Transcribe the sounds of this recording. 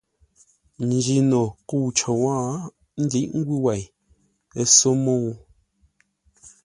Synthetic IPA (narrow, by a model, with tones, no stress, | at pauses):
n˨d͡ʒi˨no˨ku˦˨t͡ʃo˨wãː˦ | n̩˦di˦ʔŋ̩˦ɡwi˦wa˨j | e˨so˦mo˦˨u˦